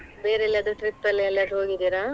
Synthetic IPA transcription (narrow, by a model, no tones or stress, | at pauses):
beːɾeɛlːɐd̪uʈɾipːɐlːiɛlːɐɾɦoːɡid̪iːɾa